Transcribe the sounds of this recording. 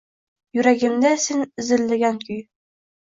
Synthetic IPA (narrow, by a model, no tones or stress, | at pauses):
jʉɾæɡɘ̆md̪æsinɘ̆zɘ̆lːɘɡʲæŋkɵj